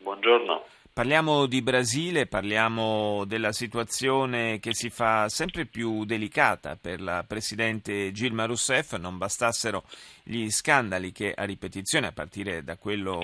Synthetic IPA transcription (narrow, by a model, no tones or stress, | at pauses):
bwond͡ʒorno̰ | parljaːmod̪ibɾaziːleparljaːmod̪elːasit̪uat̪sːjoːnek̟esifasɛmpɾepjud̪elikaːt̪a̰perlapɾesid̪ɛnt̪ed͡ʒilmaɾusɛfːnombast̪asːeɾoʎiskand̪alikeʔa̰ripet̪it̪sːjoːneapːa̰rt̪iːɾed̪akːwelːo